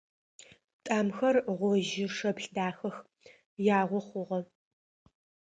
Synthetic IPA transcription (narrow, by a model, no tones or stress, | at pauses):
tʼaːmxɐrʁʷɔʒɪʂɐbɬdaːxɐx | jaːʁʷɔχʷʊʁɐ